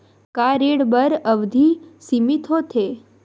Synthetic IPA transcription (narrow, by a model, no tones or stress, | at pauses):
kaɾeɽbəɾəʋd̪ʱisimit̪ʰot̪ʰe